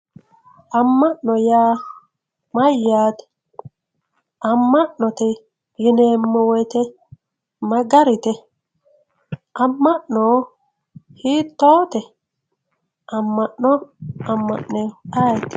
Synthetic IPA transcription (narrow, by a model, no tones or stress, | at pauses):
ɐmːɐʔnɔjaː | mɐjːaːt̪ɛ̥ | ʔɐmːɐʔnɔt̪ɛ | jɪneːmːɔwɔjt̪ɛ | mɐɡɐɾɪt̪ɛ | ʔɐmːɐʔnɔ | hiːt̪ːoːt̪ɛ | ʔɐmːɐʔnɔɐmːɐ̰ʔnɛajt̪